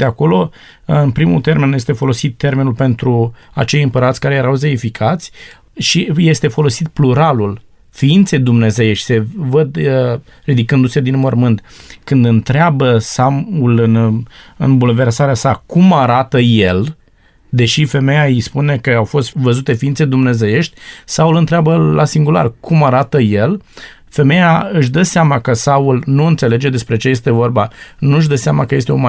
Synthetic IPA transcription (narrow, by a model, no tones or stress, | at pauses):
d̪eako̞lo̞ | ɨnpɾimut̪e̞ɾme̞nje̞st̪e̞fo̞lo̞sit̪ːe̞rme̞nulpe̞nt̪ɾua̰t͡ʃe̞jɨmpəɾat̪sʲkaɾe̞jeɾawzeifikʰat̪sʲ | ʃije̞st̪e̞fo̞lo̞sit̪̚pluɾalul | fiint̪se̞jd̪umne̞ze̞jeʃi̥se̞vəd̪rid̪ikɨnd̪used̪inmo̞rmɨnt̪kɨnd̪ɨnt̪ɾeabəsamulɨnɨ̰nbulve̞rsaɾeasakumaɾat̪əje̞l | d̪e̞ʃife̞me̞jaijspune̞kəawfo̞st̪vəzut̪e̞fiint̪sed̪umne̞ze̞je̞ʃt̪ʲsaulɨnt̪ɾeabəlasiŋɡula̰rkumaɾat̪əje̞l | fe̞me̞jaɨʃ̬d̪əseamakəsaulnuɨnt̪se̞le̞d͡ʒe̞d̪e̞spɾe̞t͡ʃeje̞s̬t̪e̞vo̞rbanuɨʃ̬d̪əseamakəje̞s̬t̪eoma